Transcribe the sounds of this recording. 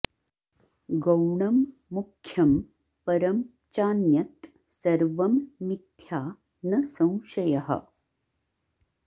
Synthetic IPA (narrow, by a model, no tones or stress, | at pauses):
ɡɐwɳɐmːukʰːjɐm | pɐɾɐm | t͡ʃaːnjɐt̪ | sɐɾʋɐmnit̪ʰjaː | nɐsɐ̃w̃ʃɐjɐɦɐ̰